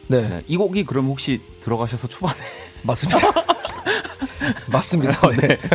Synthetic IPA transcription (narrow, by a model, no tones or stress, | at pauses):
ne̞nḛʔiɡoɡikɯɾʌmhok̚ɕ͈itɯɾʌɣaɕʰʌsʰʌt͡ɕʰobane | mas͈ɯmda | mas͈ɯmɲidane